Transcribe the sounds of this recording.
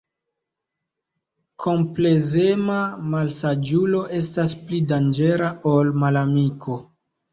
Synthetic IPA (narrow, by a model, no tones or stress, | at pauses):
kʰo̞mple̞zemamalsad͡ʒulo̞ʔe̞stasplidand͡ʒe̞ɾaʔolmalamikʰo̞